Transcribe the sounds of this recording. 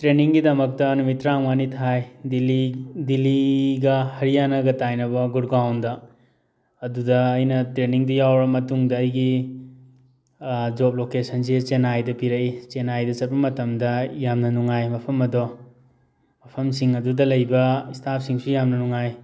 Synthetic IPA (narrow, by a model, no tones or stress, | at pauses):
tɾeniŋɡidɐmɐk̚tɐnumitɾaŋmanitʰajdilidiliɡɐhɐɾijanɐɡɐtajnɐbɐɡuɾɡawndɐː | dudɐːjnɐtɾeniŋdijawɾɐmɐtuŋdɐːjɡi | d͡ʒop̚lokesʰɐns̬et͡ʃenajdɐpiɾɐʔit͡ʃenajdɐsɐt̚pɐmɐtɐmdɐjamnɐnuŋajmɐpʰɐmɐdo | mɐpʰɐmsiŋɐdudɐlɐjbɐistʰap̚ʰsiŋsujamnɐnuŋaj